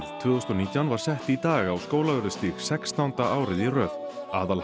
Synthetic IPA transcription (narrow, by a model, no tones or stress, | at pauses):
ðt̪ʰvʏːost̪ɔniːt̪jawnvaɾ̥sɛht̪it̪aːɣawskoːwlavœɾʏst̪iːɣsɛkst̪awnt̪aʔaːwɾɪðirœːðaːðal